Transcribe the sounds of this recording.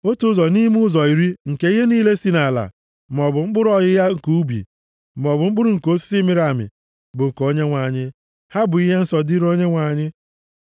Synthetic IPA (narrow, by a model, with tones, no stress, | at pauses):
o˦tu˦zɔ˨ni˦m˦ʊ˦zɔ˨i˨ɾi˦ŋ̩˨ke˦i˦ɦe˦niː˦le˦si˦na˨la̰˨˦ | m˨ɔ˨bʊ˨ŋ͡m̩˦ɡ͡bʊ˦ɾʊ˦ɔ˨ɣɪ˦ja˦ŋ̩˨ku˦u˦bḭ˨ | m˨ɔ˨bʊ˨ŋ͡m̩˦ɡ͡bʊ˦ɾʊ˨ŋ̩˨ko˦ssi˦mɪ˦ɾa˨mɪ̰˨ | bʊ˨ŋ̩˨ko˦ɲe˦ŋʷa˨ɲɪ˦ | ha˦bʊ˨i˦ɦe˦n̩˦sɔ˨di˦ɾo˦ɲe˦ŋʷa˨ɲɪ˦